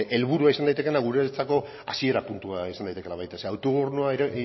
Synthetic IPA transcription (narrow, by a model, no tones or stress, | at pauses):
e̞lβuɾuaisand̪ajt̪e̞ke̞naɣuɾet͡sako̞ | a̰sie̞ɾapunt̪uaisand̪ajt̪kenaβajt̪eseawt̪oɣurnuaɾ